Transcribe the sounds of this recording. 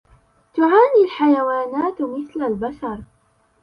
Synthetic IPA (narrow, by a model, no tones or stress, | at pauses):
t̪ʊʕaːnilħajawaːnaːt̪mɪθlalbaʃɑɾˤ